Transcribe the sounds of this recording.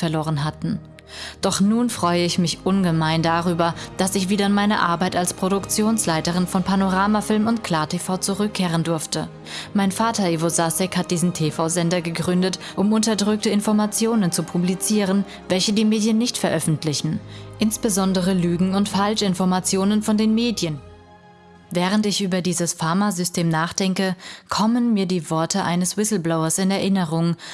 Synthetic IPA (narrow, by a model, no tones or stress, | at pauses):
fɛɐloːʁənɦatn̩ | d̥ɔχnuːnfʁ̥ɔʏəɪçmɪçʔʊnɡəmaɪndaʁyːbɐd̥asɪçv̥iːdɐɪnmaɪnɐʔa̰ɐbaɪtalspʁ̥oɾʊkt͡sjoːnslaɪtəʁɪnfɔnpʰanoʁaːmafɪlmʊntkl̥aːɐtʰefaʊt͡suʁʏkʰːeːʁ̞əndʊɐftə | maɪnfaːtɐeːvozasɛkhat̚d̥iːzn̩tʰefaʊzɛndɐɡəɡʁʏndətʔʊmʊntɐdʁʏk̚təɪnfɔɐmat͡sjoːnənt͡supʰublit͡siːʁ̞ən | vɛlçədiːmeːdjənːɪçtfɛɐʔœfn̩tlɪçn̩ʔɪnsb̥əzɔndəʁ̞əlyːɡŋ̩ʊntfalʃɪnfɔɐmat͡sjoːnənfɔndeːnmeːdjən | vɛːʁ̞əntɪçʔyːbɐdiːzəsfaɐmazʏstʰeːmnaːχd̥ɛŋkəkʰɔmənmiːɐdiːvɔɐtʰəʔa̰ɪnəswɪsl̩blɔʊɐsɪnɛɐʔɪnəʁʊŋ